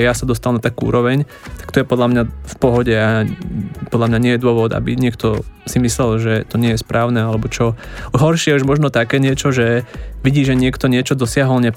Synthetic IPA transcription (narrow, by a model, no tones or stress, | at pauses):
jasad̪ɔst̪almnat̪akuṵːɾɔʋɛɲ | t̪ḁkt̪ɔjɛpɔd̪lamɲafpɔɦɔɟɛa | pɔd̪lamɲaɲɪɛjɛd̪ʊɔʋɔd̪a̰biɲɪɛkt̪ɔsimislɛlʒɛt̪ɔɲɪɛjɛspɾʔaːʊnɛalɛbɔt͡ʃɔɦɔɾʃɪɛuʒmɔʒnɔt̪akɛːɲɪɛt͡ʃɔʒɛʋiɟiːʒɛɲɪɛkt̪ɔɲɪɛt͡ʃɔd̪ɔsɪaɦɔlɲɛ